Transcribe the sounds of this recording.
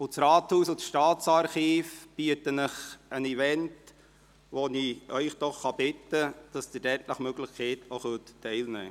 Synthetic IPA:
ʊt͡sɾɑːthuːsʊsʃtɑːtt͡sɑɾχiːfb̥iətənəχənivɛnt | ʋoniœʏχd̥̪ɔχːɑb̥ɪtːəd̥ɑsd̥̪ɪɾɛtləχmøɡlɪχkʰɛɪtoχøːtːɛɪlnɛ̰ː

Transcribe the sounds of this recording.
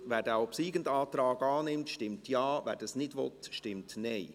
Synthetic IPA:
ʋæːɾdɛɔpsiːɡəndɑːt̪ɾɑːɡɑːnɪmtʃtɪmtjɑːʋɛ̰ːɾd̥ɑsnɪdʋɔ̰t̪ʃtɪmtneɪ

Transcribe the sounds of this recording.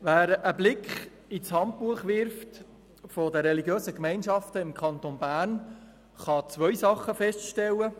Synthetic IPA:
ʋæːɾəblɪkχ | it͡shɑnt̚puəχʋɪɾft | fodəɾɛliɡjøːsəkmɛɪnʃɑftəɪmkʰɑnt̪onbæːrn | χɑt͡sʋœjsɑχːəfɛstʃtɛlːə

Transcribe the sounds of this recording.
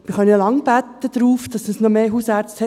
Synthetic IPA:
m̥ɪχœnəlɑŋb̥æt̪ːəd̪̥ɾuːfd̥ɑsəsnɔmeːɦuːsæːɾt͡sthɛ

